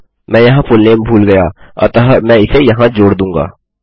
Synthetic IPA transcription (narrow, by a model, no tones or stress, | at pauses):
mɛ̃ːjɐɦãfʊlneːmbʱuːlɡɐjaːɐ̰t̪ɐɦmɛ̃ːɪsejɐɦãd͡ʒoːɽd̪ũːŋɡa̰ː